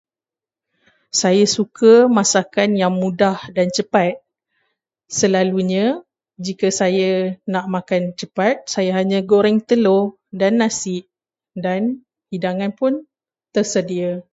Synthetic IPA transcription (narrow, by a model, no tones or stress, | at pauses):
sajasukəmasakanjaŋmũdahdant͡ʃəpat̪̚ | səlaluɲã | d͡ʒikasajanaʔmakant͡ʃəpat̪̚sajaɦaɲãɡoɾɛŋt̪əlo | danːãsɪʔ | dan | hidaŋãnpʊn | t̪ərsədia